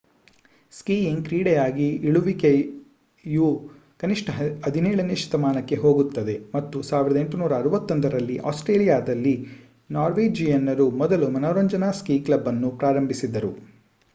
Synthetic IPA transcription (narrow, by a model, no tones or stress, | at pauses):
skiːjiŋkɾiːɽejaːɡiiɭuʋike | ju | kɐniʂʈɐɐd̪ʱinɛːɭɐneʃɐ̥t̪ɐmaːnɐkːe̞ɦo̞ːɡut̪ːɐd̪e̞mɐt̪ːusaːʋiɾɐd̪eɳʈunuːɾɐːɾuʋɐt̪ːond̪ɐɾɐlːiʔaːsʈɾeːlijaːd̪ɐlːi | naːɾʋeːd͡ʒijɐnːɐɾumɔd̪ɐlumɐnoːɾɐɲd͡ʒɐnaːskiːklɐbːɐnːupɾaːɾɐmbisid̪ːɐɾu